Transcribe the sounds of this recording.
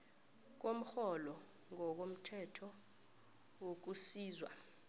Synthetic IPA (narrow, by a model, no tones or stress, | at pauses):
k̬om̩xɔlɔ | ŋɔk̬om̩tʰɛtʰɔ | wok̬usiːzwa